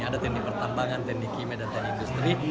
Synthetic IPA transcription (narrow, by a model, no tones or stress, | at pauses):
adat̪ɛknik̚pərt̪ambaŋant̪ɛk̚nikimedant̪ɛnikindust̪ɾi